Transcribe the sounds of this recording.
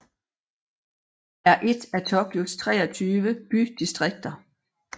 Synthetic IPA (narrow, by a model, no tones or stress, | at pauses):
æɐʔe̝d̥æt͡sʰɒ̽b̥jo̥st͡sʰʁɛ̰ːɒt͡sʰyːʋəb̥yd̥isd̥ʁeɡ̥̚d̥ɐ